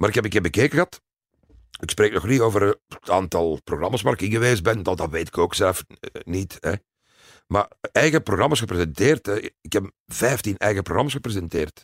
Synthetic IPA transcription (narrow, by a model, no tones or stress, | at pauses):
maːɾɪkɦɛpəkeːbəkeːkəɣəɦɑt | ɪksprɾeːk̚nɔxnitoːvərta̰ːntɑlˠproɣrɑmaːsʋaːɾɪkɪnɣəʋeːzbɛndɑdɑtʋeːtɪ̥koːksɛləfnitɛ̰ | ma̰ːɛjɣəproɣrɑmaːsxəpɾezɛnteːrtɛɪkɛp | vɛjftinɛ̰jɣəproɣrɑmaːsxəprezɛnteːrt